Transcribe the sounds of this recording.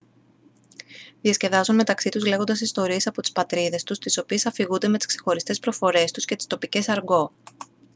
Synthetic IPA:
ðiɐsce̞ðɐzunme̞t̪ɐksit̪uzle̞ɣo̞nd̪ɐsist̪o̞ɾie̞sɐpo̞t̪i̥spɐt̪ɾiðe̞st̪ust̪iso̞pie̞sɐfiɣund̪e̞me̞t̪i̥skse̞xo̞ɾist̪e̞spɾo̞fo̞ɾe̞st̪usce̞t̪i̥st̪o̞pice̞sɐɾɡo̞

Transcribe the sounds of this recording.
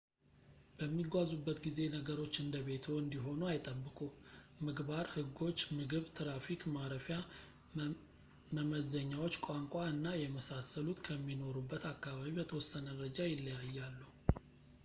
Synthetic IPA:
b̥əmːiɡʷazubːət̪ɡize̞nəɡəɾo̞t͡ʃːɨnd̪əβe̞t̪ʰoɨnd̪iɦo̞nuajt̪ʼəbːɨkʼumɨɡbaɾhɨɡo̞t͡ʃːmɨɡɨβt̪ʰɨɾafikmaɾəfja | məməzəɲːawo̞t͡ʃːkʷʼaŋkʷʼaɨnːajɛməsasːəlut̪kʰəmːino̞ɾubːət̪akːaβaβibət̪ʰəwɔsːənəɾəd͡ʒajɪlːəjajːalːu

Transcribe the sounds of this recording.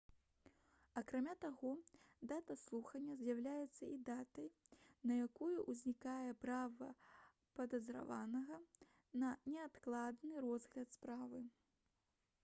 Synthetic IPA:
ɐkɾamʲat̪aɣɔd̪at̪ɐslˠuxɐnʲːɐzʲjawlʲajɛt̪sːɐid̪at̪ɐjnɐjakujuʔuzʲnʲikajɛpɾavɐ̰ | pɐd̪ɐzɾa̰vanɐɣɐ | nɐnʲɛat̪klˠad̪nɨɾɔzɣlʲɐt̪spɾavɨ

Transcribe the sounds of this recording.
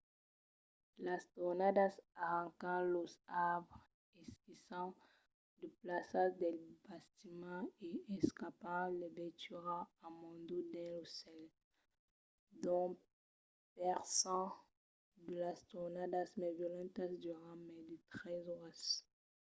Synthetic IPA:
last̪ɔnad̪asaʁɑ̃kɑ̃losav | ɛskisɑ̃ | d̪əplasad̪ɛbast̪imɑ̃eɛskapɑ̃lebɛt̪yʁãamɔ̃d̪od̪ɛ̃losɛl | d̪ɔ̃ | pɛʁsɑ̃ | d̪əlast̪onad̪asmɛvjɔlɑ̃t̪asd̪yʁãmɛd̪it̪χɛzas

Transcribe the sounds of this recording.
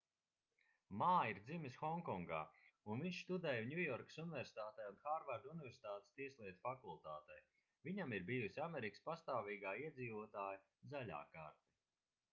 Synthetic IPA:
maːjiɾd̪zimisxɔŋkɔŋɡa̰ːunviɲʲʃst̪ud̪ɛjaɲʲujɔɾksunivʲɛɾsi̥t̪aːt̪ɛjunxaːɾvaɾd̪unɪvʲɛɾsi̥t̪aːt̪e̥st̪iɛslˠiɛt̪fakulˠt̪aːt̪ɛj | vʲiɲamiɾbiːjusʲiameɾikə̥spast̪aːviːɡaːiɛd̪ziːvuɔt̪aːja | zalʲa̰ːkaːɾt̪i

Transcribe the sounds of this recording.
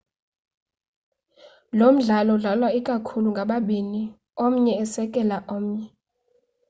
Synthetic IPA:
lom̩ɮalɔɮalwaikʼakʰuluŋɡʱaɓaɓini | om̩ɲɛːsɛkʼɛlaʔom̩ɲɛ

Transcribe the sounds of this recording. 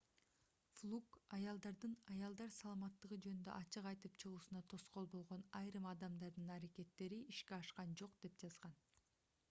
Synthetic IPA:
flˠukɑjɑlˠd̪ɑɾd̪ɯnɑjɑlˠd̪ɑɾsɑlˠɑmɑt̪ːɯʁɯd͡ʒø̞nynd̪øʔɑt͡ʃɯqɑjt̪ɯpt͡ʃʰɯʁuːsunɑt̪ʰo̞sqo̞lˠbo̞lˠʁo̞nɑjɾɯmɑd̪ɑmd̪ɑɾd̪ɯnɑɾake̞t̪ːe̞ɾiiʃkeɑʃqɑnd͡ʒo̞qd̪̥e̞p̚d͡ʒɑzʁɑn

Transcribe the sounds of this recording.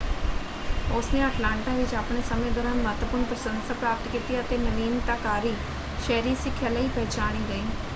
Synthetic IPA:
ʊsnẽːəʈlaːɳʈaːʋɪt͡ʃaːpɳeːsəmẽːd̪oːɾaːnməɦt̪wəpʊɾɳpɾəsə̃nsaːpɾaːpət̪kiːt̪iːət̪eːnəniːnt̪akaːɾiː | ʃɛːɾiːsɪkʰːjaːləiːpɛːt͡ʃaːɽ̃iːɡəiː

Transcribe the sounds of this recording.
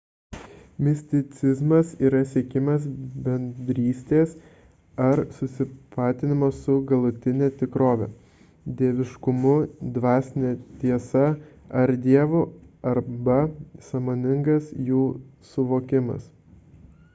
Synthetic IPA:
mʲɪsʲt̪ʲɪt̪sʲɪzmɐsiːɾɐsʲiɛkʲɪmɐsbʲɛnʲd̪ʲɾʲiːsʲt̪ʲeːs | ɐɾsʊsʲɪpɑːt̪ʲɪnʲɪmossʊɡɐlˠʊt̪ʲɪnʲɛt̪ʲɪkɾoːʋʲɛ̰ | d̪ʲiɛʋʲɪʃkʊmʊd̪ʋɑːsʲnʲɛt̪ʲiɛsɐ | ɐɾd̪ʲiɛʋoɐɾbɐsɐmoːnʲɪŋɡɐsjuːsʊʋoːkʲɪmɐ̰s

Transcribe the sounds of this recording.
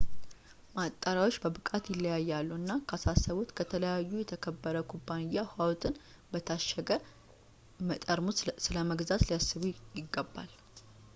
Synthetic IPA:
mat̪ʼːaɾawo̞t͡ʃːbəbɨkʼat̪jɪlːəjajːalːuɨnːakʰasasːəβut̪kʰət̪ʰələjajːujɛt̪ʰəkʰəbːəɾəkʰubːanɪjːahwawt̪ʰɨn | bət̪ʰaʃəɡə | mət̪ʼəɾmusɨləməɡzat̪lijasːɨβujɪɡːəbːa̰l

